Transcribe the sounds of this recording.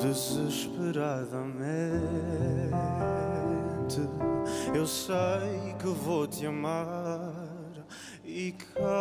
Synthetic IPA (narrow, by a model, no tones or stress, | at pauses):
d̪ɨzɨʃpɨɾaðɐmẽ | t̪ɨewsejkɨvot̪iɐma | ɾ | ika